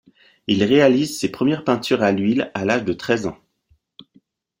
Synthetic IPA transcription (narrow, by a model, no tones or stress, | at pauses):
ilʁealizsepχəmjɛʁpɛ̃t̪yʁalɥilalaʒd̪ət̪χɛzɑ̃